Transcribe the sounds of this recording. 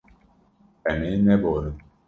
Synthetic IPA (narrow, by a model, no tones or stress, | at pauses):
ɛnenɛboɾi